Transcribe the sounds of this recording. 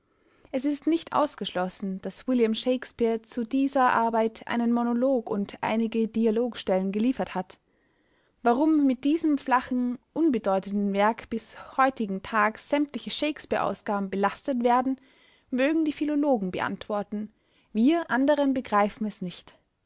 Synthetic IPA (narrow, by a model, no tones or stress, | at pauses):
ʔɛsɪstnɪçtʔa̰ʊsɡ̥əʃlɔsn̩d̥aswɪljamʃeɪkspiːɐt͡sudiːzɐʔa̰ɐbaɪtʰʔa̰ɪnənmonoloːkʊntʔa̰ɪnɪɡədialoːkʃtɛlənɡəliːfɐthat | vaʁʊmːɪt̚d̥iːzəmflaχn̩ʔʊnbədɔʏtəntn̩vɛɐkb̥ɪshɔʏtɪɡŋ̩tʰaːkz̥ɛmtlɪçəʃeɪkspiːɐʔa̰ʊsɡ̥aːbm̩bəlastətv̥eːɐdn̩ | møːɡŋ̩diːfiloloːɡŋ̩bəʔa̰ntv̥ɔɐtn̩ | viːɐʔandəʁənbəɡʁaɪfn̩ɛsnɪçt